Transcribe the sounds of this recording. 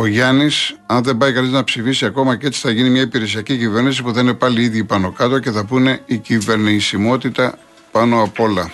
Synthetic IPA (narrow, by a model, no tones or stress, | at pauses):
o̞ʝɐnisɐnðe̞mbɐikɐniznɐpsifisiɐko̞mɐce̞t͡si̥θɐʝinimɲɐipiɾe̞s̬iɐcicive̞ɾnis̬ipuθɐine̞pɐliiðʝipɐno̞kɐt̪o̞ce̞θɐpune̞icive̞ɾnisimo̞t̪it̪ɐ | pɐno̞ɐpo̞lɐ